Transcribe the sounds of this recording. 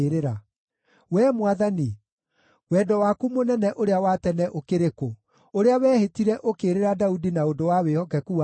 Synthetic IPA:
ɾeɾa | wɛːmwaðani | wɛdɔwakumonɛnɛʔoɾeawatɛnɛʔokeɾeko | oɾeawɛːhetiɾɛʔokeːɾeɾadaudinaondowawehɔkɛkua

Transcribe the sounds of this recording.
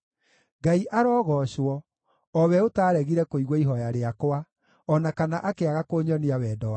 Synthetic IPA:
ɡaiʔaɾɔɣɔɕwɔ | ɔwɛotaːɾɛɣiɾɛkoiɣwɔiɦɔjaɾeakowa | ɔnakanaʔakeaɣakoːɲɔneawɛːdɔwa

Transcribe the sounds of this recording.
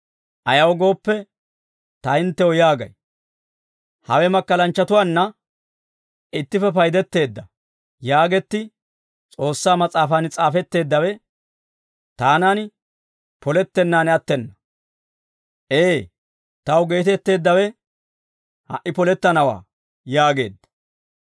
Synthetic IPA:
ʔɐjɐwɡo̞ːpːɛ | t̪ɐɪnt̪ːɛwɔjaːɡɐ̰j | hɐwɛmɐkːɐlɐnt͡ʃːɐt̪ʊwaːnːɐ | ɪt̪ːɪfɛpɐjd̪ɛt̪ːe̞ːd̪ːɐ | jaːɡɛt̪ːɪ | t͡sʼo̞ːsːaːmɐt͡sʼaːfɐnt͡sʼaːfɛt̪ːe̞ːd̪ːɐwɛ | t̪aːnaːn | pɔlɛt̪ːɛnːaːnɐt̪ːɛnːɐ | ʔeː | t̪ɐwɡe̞ːt̪ɛt̪ːe̞ːd̪ːɐwɛ | hɐ̰ʔːɪpɔlɛt̪ːɐnɐwa̰ː | jaːɡe̞̰ːd̪ːɐ̥

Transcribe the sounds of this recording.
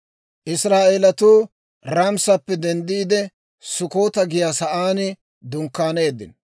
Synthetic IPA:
ʔɪsɾaːʔeːlɐt̪uː | ɾɐmsɐpːɛd̪ɛnd̪iːd̪ɛ | sʊko̞ːt̪ɐɡɪjaːsɐʔaːnɪ | d̪ʊŋkːaːneːd̪ɪ̰n

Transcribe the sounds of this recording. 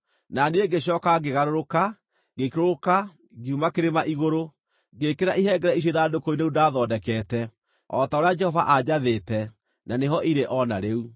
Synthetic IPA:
naneeɡeɕ̬ɔːkaɡeɣaɾoɾoka | ɡekeɾooka | ɡeumakeɾemaʔiɣoɾo | ɡekeɾaʔiɦɛɡɛɾɛis̬oðaːdokoineudaðɔdɛkɛːtɛ | ɔtaoɾead͡ʒɛhɔva̰ʔad͡ʑaðetɛ | naneɦɔʔiɾeʔɔnaɾeu

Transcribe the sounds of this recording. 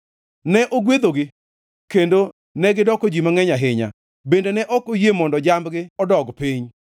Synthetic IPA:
nɛʔoɡwed̪oɡɪ | kendo | nɛɡɪdɔkɔd͡ʒimaŋɛɲaɦɪɲa̰ | bendenɛʔɔkojemɔndɔd͡ʒambɡɪɔdɔɡpiɲ

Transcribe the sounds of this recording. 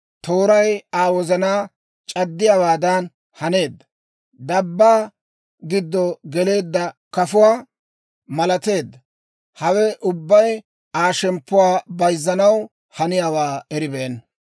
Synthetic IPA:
t̪o̞ːɾɐjaːwɔzɐnaː | t͡ʃʼɐd̪ːɪjaːwaːd̪ɐn | hɐne̞ːd̪ːɐ | d̪ɐbːaː | ɡɪd̪ːɔɡɛle̞ːd̪ːɐkɐfʊwaː | mɐlɐt̪e̞ːd̪ːɐ | hɐwɛʔʊbːɐj | aːʃɛmpːʊwaːbɐjzːɐnɐw | hɐnɪjaːwaːɛɾɪbeːn

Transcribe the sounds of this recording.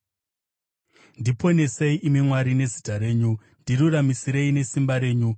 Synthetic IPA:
ndipo̞ne̞se̞iʔimimwaɾine̞zitaɾe̞ːɲu | ndiruramisiɾe̞ine̞simbaɾe̞ːɲu

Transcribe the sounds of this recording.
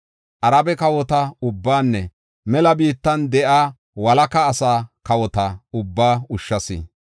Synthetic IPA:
ʔɐɾɐbɛkɐwɔt̪ɐʊbːaːnːɛ | mɛlɐbiːt̪ːɐnd̪ɛʔaː | wɐlɐkɐːsaːkɐwɔt̪ɐʊbːaːʊʃːɐsɪ̰

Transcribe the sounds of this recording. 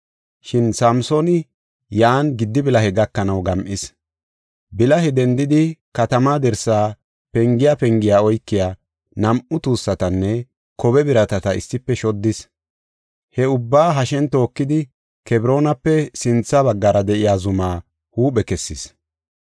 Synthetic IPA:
ʃɪnsɐmsonɪ | jaːnɡɪd̪ːɪbɪlɐhɛɡɐkːɐnɐwɡɐmʔɪs | bɪlɐɦɛd̪ɛnd̪ɪd̪ɪkɐt̪ɐmaːd̪ɛɾsaː | pɛŋɡɪjapɛŋɡɪjaːɔjkːɪjaː | nɐmʔʊt̪uːsːɐt̪ɐnːɛ | kɔβɛbɪɾɐt̪ɐt̪ɐɪ̰sːɪpːɛʃɔd̪ːɪs | hɛʊbːaːɦɐʃɛnt̪o̞ːkːɪd̪ɪ | kɛbɪɾo̞ːnɐpːɛsɪnt͡sːaβɐɡːɐɾɐd̪ɛʔɪjaːzʊmaː | huːɓɛkɛsːɪs

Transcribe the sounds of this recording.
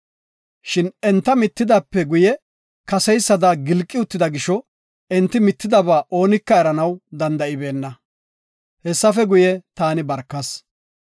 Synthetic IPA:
ʃɪnɛnt̪ːɐmɪt̪ːɪd̪ɐːpːɛɡʊjɛ | kɐsɛjsːɐd̪ɐɡɪlkʼːɪʊt̪ːɪd̪ɐɡɪʃɔ | ɛnt̪ːɪmɪt̪ːɪd̪ɐbaːʔo̞ːnɪkːɐɛɾɐnɐwd̪ɐnd̪ɐɪbe̞ːnːɐ | hɛsːɐfɛɡʊjɛt̪aːnɪbɐɾkːɐs

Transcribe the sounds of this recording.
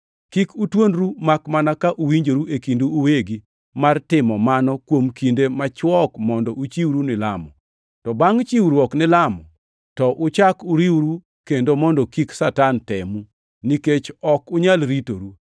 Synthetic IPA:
kikutwonɾumakmanakaʔuwiɲd͡ʒoɾuʔekinduːweɡi | martɪmɔmanɔkwomkindemat͡ʃwɔkmɔndɔʔut͡ʃiwɾunɪla̰mɔ | tɔbaŋt͡ʃiwɾwɔknɪlamɔ | tɔʔʊt͡ʃakʊɾiwɾu | kendomɔndɔkiksatantɛmu | niket͡ʃɔkʊɲalɾito̰ɾu

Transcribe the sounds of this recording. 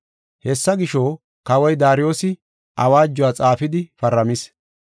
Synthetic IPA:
hɛsːɐɡɪʃoː | kɐwɔjd̪aːɾɪjo̞ːsɪ | ʔɐwaːd͡ʒːɔwaːt͡sʼaːfɪd̪ɪfɐɾːɐmɪs

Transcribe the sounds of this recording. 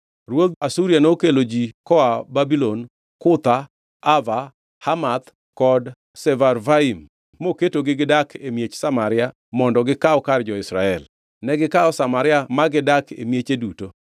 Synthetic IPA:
rwod̪asuɾianokelod͡ʒikɔababilon | kʊt̪a | ava | hamat̪ | kɔd | sɛvarvaim | moketoɡɪɡɪdakʰemjet͡ʃsamaɾɪa | mɔndɔɡɪkaɔkard͡ʒɔɪsɾa̰ɛl | nɛɡɪkaɔsamaɾɪamaɡɪdakʰḛmjet͡ʃeduto

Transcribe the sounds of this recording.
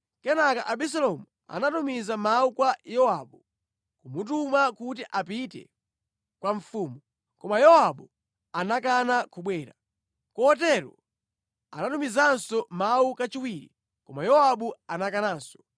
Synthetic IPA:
kɛnakaʔaɓis̬alɔmu | a̰natumizamaukwajɔwaɓu | kumut̬umakut̬iʔapitɛ̰ | kwaɱfuːmu | kɔmajɔwaɓu | anakanakuɓwɛːɾa | kɔɔt̬ɛɾɔ̰ | a̰natumizansɔmaukat͡ʃiwiɾḭ | kɔmajɔwaɓuanakanaːnsɔ̥

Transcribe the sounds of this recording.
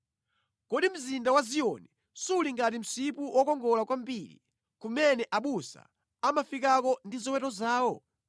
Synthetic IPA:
kɔɗim̩zindawazijɔni | suuliŋɡat̬im̩sipuwʔɔkɔŋɡɔlakwambilḭ | kumɛnɛʔaɓusa̰ | amafik̬akɔndizɔwɛtɔzaːwɔ

